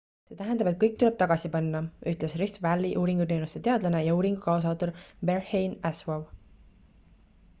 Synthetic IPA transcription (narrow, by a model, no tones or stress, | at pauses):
se̞ːt̪æɦend̪ɑbe̞t̪̚kɤjk̚t̪ule̞b̥̚t̪ɑɡɑsipɑnːɑʔyht̪lesriht̪vælːiʔuːɾiŋɡut̪e̞wnust̪e̞t̪e̞ɑd̪lɑne̞jɑuːɾiŋɡ̥ukɑos̬ɑːt̪uɾberhejnæswɑv